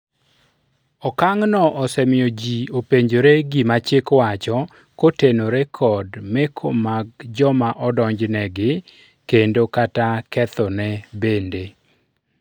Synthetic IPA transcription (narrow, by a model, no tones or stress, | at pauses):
ɔkaŋnɔʔɔsɛmɪjɔd͡ʒiopeɲd͡ʒoɾeɡimat͡ʃekwat͡ʃɔ | kotenoɾekʰɔdmɛkʰomaɡ̚d͡ʒɔmaʔɔdɔɲd͡ʒnɛɡɪ | kendokatakɛt̪ɔnɛbende